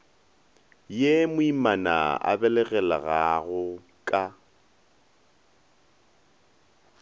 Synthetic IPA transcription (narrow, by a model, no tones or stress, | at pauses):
jemʊimana̰a̰bɛlɛɣɛla̰ɣaɣʊ | kʼa